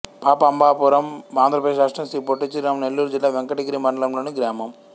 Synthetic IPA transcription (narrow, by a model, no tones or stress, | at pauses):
paːpɐɐmbaːpuɾɐmʋaːnd̪ɾɐpɐd̪eʃɾaːʂʈɾɐmsɾiːpoʈːit͡ʃːiɾaːmnelːuːɾud͡ʒilːaːʋeŋkɐʈiɡɐɾimɐɳɖɐlɐmloːniɡɾaːmɐm